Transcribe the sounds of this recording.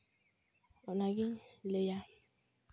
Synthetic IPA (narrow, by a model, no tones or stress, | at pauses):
ɔnaɡɪleja